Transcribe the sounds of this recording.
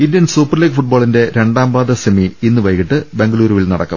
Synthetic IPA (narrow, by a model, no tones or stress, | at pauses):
indijɐnsuːpːɐrliːɡɨfuʈ̚boːɭinde̞ɾe̞ɳɖaːmbaːðɐsemiinːɨʋɐjkːiʈːɨbe̞ŋɡɐɭuːɾuʋilnɐɽɐkːɐ̰m